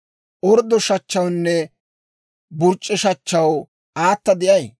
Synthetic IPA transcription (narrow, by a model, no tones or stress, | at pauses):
ʔɔɾd̪ɔʃɐt͡ʃːɐwnːɛ | bʊɾt͡ʃʼːɛʃɐt͡ʃːɐw | aːt̪ːɐd̪ɪʔɐj